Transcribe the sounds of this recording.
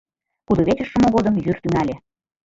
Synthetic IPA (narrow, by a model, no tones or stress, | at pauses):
kud̪oβet͡ɕə̆ʃːə̆mŏɣod̪ɤmjyrt̪ynælʲe